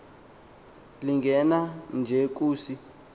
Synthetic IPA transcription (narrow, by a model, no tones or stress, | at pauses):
liŋɡʱɛnand͡ʒʱɛk̬uːsi